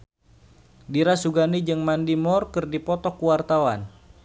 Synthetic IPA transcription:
diɾasuɡanid͡ʒɨŋmandimɔrkɨrdipɔt̪ɔkuwart̪awan

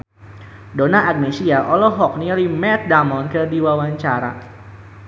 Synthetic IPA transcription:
donaaɡ̚nesiaʔɔlɔɦɔk̚nilimɛt̪̚damɔnkərdiwawaɲt͡ʃaɾa̰

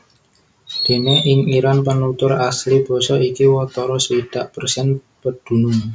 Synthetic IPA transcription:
d̪̥e̤neʔɪŋiɾanpənut̪ʊɾaslib̥ɔ̤sɔikiwɔt̪ɔɾɔsəid̥aʔpərsiɛn | pəd̪̥ṳnʊŋ

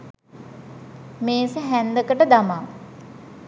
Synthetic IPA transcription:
meːsəɦænd̪əkəʈəd̪amaː

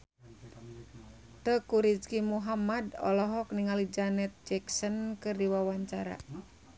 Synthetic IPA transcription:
t̪əkuɾid͡ʒkimuɦamadɔ̰lɔɦɔk̚niŋalid͡ʒanɛt̪̚d͡ʒɛksənkɨrdiwawaɲt͡ʃaɾa̰

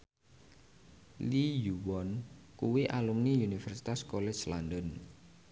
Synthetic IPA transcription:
lijuwɔnkuwiʔalumniunifɛrsi̥t̪askolɛslandɔn

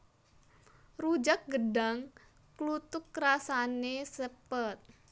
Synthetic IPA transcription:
rud͡ʒak̚ɡədaŋ | klut̪ʊkːrasanesəpət̪̚

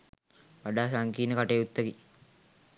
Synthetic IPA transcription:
ʋaɖaːsaŋkiːnəkaʈejut̪ːəki

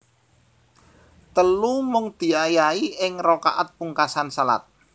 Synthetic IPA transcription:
t̪əlumʊŋd̪̥i̤ajaiʔɪŋroka̰ʔat̪̚puŋkasansala̰t̪̚

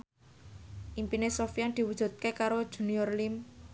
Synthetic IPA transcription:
ʔimpinesɔfijand̪̥i̤wud̥ʒ̥ṳt̪̚kekaɾod̥ʒ̥ṳniɔrlim

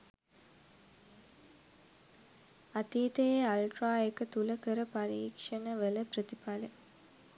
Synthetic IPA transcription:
ɐt̪iːt̪ɐjeɐlʈraːekːɐt̪ulɐkɐɾɐpɐɾiːkʂɐnɐʋelɐprɐt̪ipale

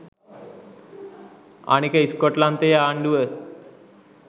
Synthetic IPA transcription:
a̰ːnikɐiskoʈlant̪ejaːɳɖuʋə

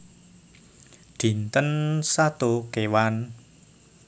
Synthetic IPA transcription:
ɖ̪̥i̤nt̪ənsat̪okewan

